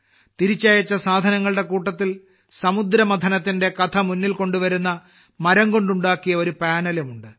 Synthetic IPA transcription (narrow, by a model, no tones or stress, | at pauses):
t̪iɾit͡ɕːaːjɐt͡ɕːɐsaːd̪ʱɐnɐŋːɐɭɨɽe̞kuːʈːɐt̪ːil | sɐmud̪ɾɐmɐd̪ʱɐnɐt̪ːinde̞kɐt̪ʰɐmunːilko̞ɳɖuʋɐɾunːɐ | mɐɾɐŋɡo̞ɳɖuɳɖaːkːijɐo̞ɾupaːnɐlɐmuɳɖɨ